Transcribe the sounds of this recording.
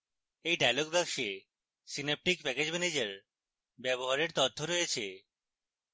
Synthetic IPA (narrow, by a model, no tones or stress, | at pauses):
ejɖajloɡbɛkʃe | sinep̚ʈikpɛked͡ʑmɛned͡ʑeɾ | bɛβoɦaɾeɾt̪ot̪ːoɾɔjet͡ɕʰe